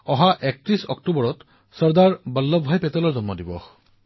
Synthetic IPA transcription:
ɔɦaʔɛk̚tɹisɔ̰ktubɔɹɔt | sɔɹdaɹbəlːɔbʱajpɛtɛlɔɹzɔmːɔdibɔx

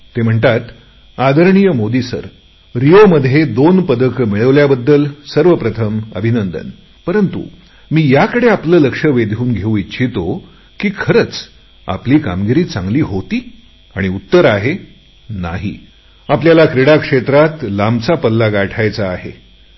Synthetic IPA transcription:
t̪em̤əɳt̪at̪ | ad̪əɾɳijəmod̪isə̰ɾ | ɾijoməd̪ʱjed̪onpəd̪əkmiɭəʋljabəd̪ːəlsəɾʋəpɾət̪ʰəmə̰bʱinənd̪ə̰n | pəɾənt̪ṵ | miːjakəɽeapləːləkʂəʋed̪ʱjuːnɡʱeũitːt͡ɕʰit̪o | kiːkʰəɾət͡s | a̰pliːka̰mɡiɾiːt͡sa̰ŋɡliːɦot̪iː | aɽ̃iut̪ːəɾaɦe | na̰ɦḭː | apljalakɾiɽakʂet̪ɾat̪lamt͡sapəlːaɡaʈʰajt͡saːɦḛ

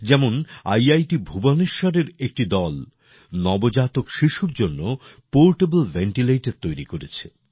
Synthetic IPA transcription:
d͡ʑɛmona̰jajʈibʱubaneʃɔɾeɾek̚ʈid̪ɔl | nɔbod͡ʑat̪okʃiʃuɾd͡ʑonːo | poɾʈebelveɳʈilejʈeɾ̚t̪ojɾikoɾet͡ɕʰe

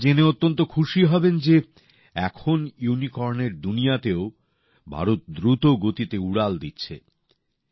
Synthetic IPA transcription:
d͡ʑeneot̪ːont̪okʰuʃiɦɔbend͡ʑe | ɛkʰonjunikɔɾneɾd̪unijat̪eo | bʱa̰ɾot̪̚d̪ɾut̪oɡot̪it̪euɽald̪itːɕʰḛ

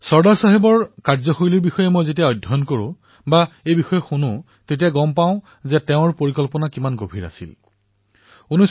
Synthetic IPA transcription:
sɔɹdaɹsaɦebɔɹkaɹzɔxoɹiliɹbixɔjɛmojzet̬ijaɔjdʱːɔnkoɹʊ̰̃ | baejbixɔjɛxunʊ̃ | tet̬ijaɡɔmpaʊ̃ | zɛtɛʊ̃ɹpoɹikɔlpɔnakimanɡobʱiɹa̰sḭl | unɔs

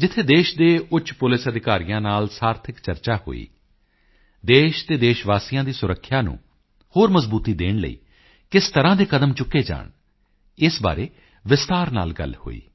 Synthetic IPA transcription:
d͡ʒɪt̪ʰːeːd̪eːʃd̪eːʊt͡ʃpʊlɪsəd̪ɪkaːɾijãːnaːlsaːɾt̪ʰɪkt͡ʃəɾt͡ʃaːho̰ːḭː | d̪eːʃt̪eːd̪eːʃʋaːsijãːd̪iːsʊɾəkʰːjaːnṵ̃ː | hoːɾməzbuːt̪iːd̪eːɳlə̰ḭː | kɪst̪əɾãːd̪eːkəd̪əmt͡ʃʊkːeːd͡ʒa̰ːɳ | ɪsba̰ːɾeː | ʋɪst̪aːɾna̰ːlɡə̰lho̰ːḭː

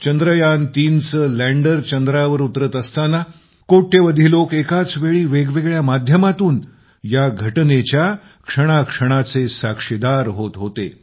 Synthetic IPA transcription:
t͡ɕənd̪ɾəjant̪iːnt͡səlæɳɖəɾt͡ɕənd̪ɾaʋəɾut̪ɾət̪əst̪ana | koʈʰːeʋəd̪ʱilokekat͡sʋeɭiːʋeɡʋeɡɭjamad̪ʱjəmat̪uːn | jaɡʱəʈnet͡ɕja | kʂəɽ̃akʂəɽ̃at͡sesakʂid̪aɾɦot̪ɦot̪ḛ

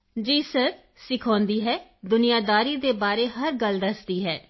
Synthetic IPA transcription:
d͡ʒiːsəɾɾ | sɪkʰɔ̃ːnd̪iːɦɛːd̪ʊnɪjaːd̪aːɾiːd̪eːbaːɾeːɦəɾɡəld̪əsd̪iːɦɛː

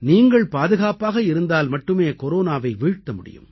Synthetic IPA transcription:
niːŋɡɐɭpaːðɯɣaːpaːɣɐɪɾɯnd̪aːlmɐʈːɯmeːkɔɾoːnaːʋɐɪʋiːɻt̪ːɐmʊɽɪ̰jɯ̰m

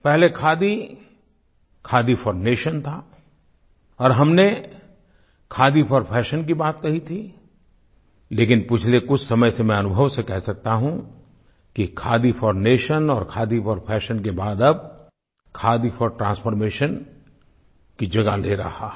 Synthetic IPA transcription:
pɛɦlekʰaːd̪i | kʰaːd̪ifʰɔːɾmeːʃənt̪ʰa | ɔːɾɦɐmne | kʰaːd̪ipʰɔɾpʰɛːʃənk̬ibaːt̪̚kɐɦit̪ʰi | leːkɪnpɪt͡ʃʰlekʊt͡ʃʰsɐməjsemɛ̃ɐnʊbʱəʋsekɛɦsɐk̚t̪aɦũ | kikʰaːd̪ifɔːɾmeːʃənɔːɾkʰaːd̪ipʰɔɾpʰɛːʃənk̬ebaːd̪ɐb̚ | kʰaːd̪ipʰɔɾʈɾãːnsfʰɔɾmeːʃən | kid͡ʒɐɡaleɾɐ̰ɦaː

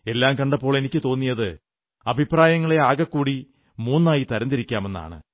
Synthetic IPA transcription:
e̞lːaːmkɐɳɖɐpːo̞ːɭe̞nikʲːɨt̪o̞ːnːijɐðɨ | ɐbʱipraːjɐŋːɐɭeaːɣɐkːuːɽi | muːnːaːjit̪ɐɾɐnd̪iɾikʲːaːme̞nːa̰ːɳɨ̰

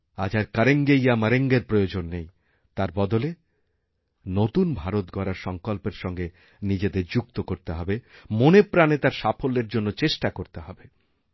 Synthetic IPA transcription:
ad͡ʑʱaɾkaɾeŋɡejamaɾeŋɡeɾpɾojod͡ʑonːej | t̪aɾbɔd̪ole | not̪unbʱaɾot̪̚ɡɔɾaɾʃɔŋkolpeɾʃɔŋɡe | nid͡ʑed̪eɾd͡ʑuk̚t̪okoɾt̪eɦɔbemonepɾanet̪aɾʃafʰolːeɾd͡ʑonːot͡ɕeʃʈakoɾt̪eɦɔbe

